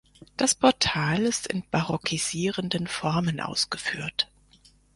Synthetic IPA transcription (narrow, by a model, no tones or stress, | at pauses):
d̥aspʰɔɐtʰaːlɪstɪ̰nb̥aʁɔkʰiz̥iːʁəndənfɔɐmənʔa̰ʊsɡ̥əfyːɐt